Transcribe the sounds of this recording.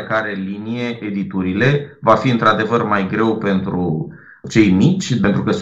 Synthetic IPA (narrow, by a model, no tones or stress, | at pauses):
kaɾe̞linije̞ʔed̪it̪uɾile̞vafiɨnt̪ɾad̪e̞vərmajɡɾe̞wpe̞nt̪ɾu | t͡ʃe̞jmit͡ʃʲpe̞nt̪ɾukəs